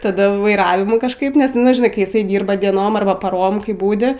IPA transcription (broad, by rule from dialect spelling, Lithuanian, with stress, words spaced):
tɐˈdɐ ʋɐɪˈrɑːʋʲɪmuː kɐʃˈkɐɪp nʲɛs nʊ ʒʲɪˈnɐɪ kɐɪ jɪˈsɐɪ ˈdʲiːrbɐ dʲiɛˈnoːm ɐrˈbɐ pɐˈroːm ˈkɐɪ ˈbuːdʲɪ